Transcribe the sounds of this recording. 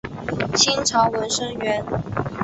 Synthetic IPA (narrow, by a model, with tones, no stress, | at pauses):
t͡ɕʰi˥nʈ͡ʂʰɑ˧˥ʊwə˧˥nʂɤ˥ŋɥɛ˧˥n